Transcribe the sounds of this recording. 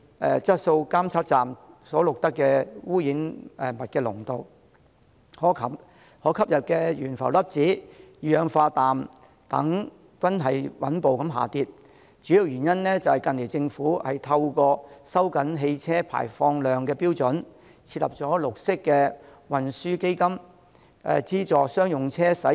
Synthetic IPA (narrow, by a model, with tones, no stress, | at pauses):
ɛ̰ː˨t͡sɐ˥t̚so˧wkaː˥mt͡sʰaː˥t̚t͡saː˨msɔː˨˥lʊ˨k̚t̪ɐ˥kːɛː˧wuː˥jiː˨˥nɛ˨mɐ˨t̚kɛː˧lʊ̰˨˩ŋt̪o˨w | hɔː˨˥kʰɐ˨˩p | hɔː˨˥kʰɐ˥p̚jɐ˨p̚kɛː˧jyː˨˩nfɐ˨˩wlɐ˥p̚t͡siː˨˥˨jœː˨˧ŋfaː˧t̪aː˨m | t̪ɐ˨˥ŋ | kʷɐ˥nɦɐ˨jwɐ˨˥npo˨wkɐ˨˥mɦa̰ː˨t̪iː˧t̚ | t͡ʃyː˨˥ji˨˧wjyː˨˩njɐ˥nlɛː˥t͡sɐ˨whɐ˨jkɐ˧nle˨˩jt͡sɪ˧ŋfuː˨˥hɐ˨jt̪ʰɐ˧wkɔː˧sɐ˥wkɐ˨˥nɦe˧jt͡sʰɛː˥pʰa̰ː˨˩jfɔː˧ŋlœː˨ŋkɛː˧piː˥wt͡sɵ˨˥n | t͡sʰiː˧t̚lɐ̰˨p̚t͡sɔː˨˥lʊ˨k̚sɪ˥kːɛː˧ | wɐ˨nsyː˥ke˥jkɐ˥m | ɛ̰˨˧t͡siː˥t͡sɔː˨sœː˥ŋjʊ˨ŋt͡sʰɛː˥sɐ˨˥